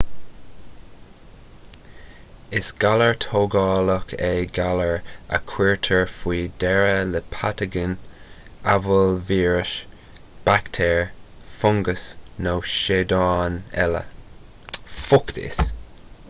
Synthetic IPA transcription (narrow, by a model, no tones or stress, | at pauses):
ɪsɡ̥aləɹt̪ʰoːɡɑːləkʰeɡaləɹə̰kʰwiɹtʰəɹfwiːdɛɹələpʰatəɡɪn | avəlviːɹəʃ | b̥akt̪ʰɛːɹ | fʊŋɡəsnoʃeːd̪ɑːnɛlə̰ | fʊkt̪ʰɪ̰s